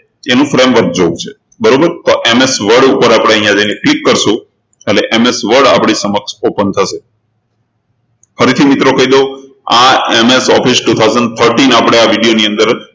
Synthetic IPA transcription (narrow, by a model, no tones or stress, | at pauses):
enũfɾemʋəɾk̚d͡ʒoɡt͡ʃʰe̥ | bəɾobəɾt̪oʔemesʋəɾɖupəɾapɽ̃eəɦĩjãd͡ʒəineklikːəɾʃũ | eleʔemesʋəɾɖa̰pɽ̃isəməksopənt̪ʰəʃe | fəɾit̪ʰimit̪ɾokəid̪o | aemesɔfisʈut̪ʰauzəɳɖt̪ʰəɾʈinapɽ̃eaʋiɽijoniənd̪əɾ